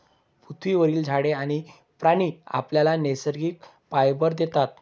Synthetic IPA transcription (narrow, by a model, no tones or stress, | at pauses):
pɾut̪ʰʋiʋəɾiːld͡zʱaɽeaɽ̃i | pɾaɽ̃iːa̰pljalanesəɾɡiːk̚ | pajbəɾd̪et̪at̪̚